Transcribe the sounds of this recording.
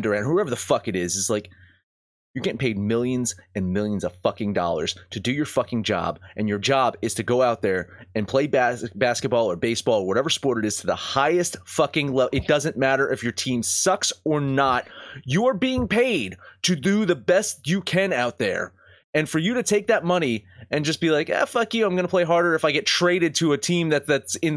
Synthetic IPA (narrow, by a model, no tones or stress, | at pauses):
ndə˞æ̃nhuɛvə˞ðəfʌkɨɾɪzɨslaɪk | jɨɡɛnpʰeɪd̚mɪlˠjɨ̃nzɨ̃nmɪlˠjɨ̃nzʌv̥fʌkɪ̃ŋdɔ̰lˠə̰˞z̥tʰɨdɨjə˞fʌkɪ̃ŋd͡ʒɑ̰bʔɨ̃njə˞d͡ʒɑbɪz̥tʰɨɡoʊaʊt̪̚ðə˞ɨ̃npʰl̥eɪbæbæskɨt̚b̥ɔlˠə˞beɪsb̥ɔlˠə˞wʌɾɛvə˞spɔɹɾɨɾɨz̥tʰɨðəhaɪɨstfʌkɪ̃ŋlɛɨt̚d̥ʌzɨ̃nmæɾə˞ʔɨfjə˞tʰĩmsʌksə˞nət̚jəə˞biɪ̃ŋpʰeɪd̚tʰɨdɨðəbɛst̚ɨkʰɨ̃naʊt̪̚ðə̰˞ | ɨ̃nfə˞jɨɾɨtʰeɪk̚ðɨt̚mʌñiɨ̃nd͡ʒʌsb̥ilaɪkæ̰fʌkiãɪ̃mɡʌnəpʰl̥eɪɦɑɹɾə˞ɨfaɪɡɛtʰɹ̥eɪɾɨd̚tʰɨːtʰĩmðɨt̪̚ðɨtsɪ̃n